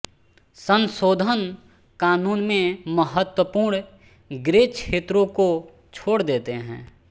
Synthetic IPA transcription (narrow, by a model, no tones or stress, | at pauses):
sə̃nsoːd̪ʱən | kaːnuːnmẽməɦət̪wəpuːɾɳ | ɡɾeːkʰeːt̪ɾõko | t͡ʃʰoːɽd̪eːt̪eɦɛ̰̃ː